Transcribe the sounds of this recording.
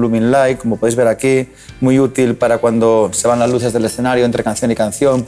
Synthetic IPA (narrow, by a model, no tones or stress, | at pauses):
lumĩnlajkːomopoðejzβ̞e̞ɾaki | mujut̪ilpaɾakwand̪ose̞β̞anlazluθe̞zðelesθe̞naɾjoent̪ɾe̞kan̟θjo̞nikan̟θjo̞ŋ